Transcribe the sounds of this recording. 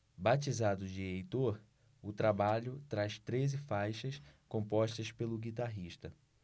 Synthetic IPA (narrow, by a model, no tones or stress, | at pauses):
bat͡ʃizad̪ʊd͡ʒɪejt̪oɾ | ʊt̪ɾabaʎʊt̪ɾaʃt̪ɾezɪfajʃɐskõpɔʃt̪ɐspelʊɡit̪aɦiʃt̪ɐ